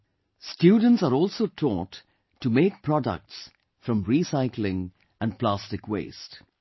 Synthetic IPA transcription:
stjuːɖə̃n̩tsəɾɔːlˠsoːtʰɔʈʰː | umeːk̚pʰɹɔdə̰k̚ʈs | fɾʌ̃mɹisaɪklɪ̃ŋ | ʔə̃npʰlastɪkwḛɪst

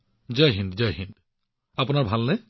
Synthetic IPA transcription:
zajɦindzajɦind | apunaɹbʱalnɛ

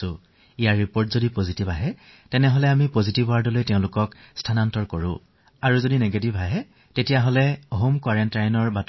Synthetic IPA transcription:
ʊ̃ | ijaɹːipoɹtzodipozitibaɦɛ | tɛnɛɦɔlɛamipozitibwaɹdɔlojtɛʊ̃lʊkɔkstʰanantɔɹkoɹʊ̰̃ | aɹuzodineɡetibʱaɦɛ | tetijaɦolɛoɦumkwaɹɛntajnɔɹbat

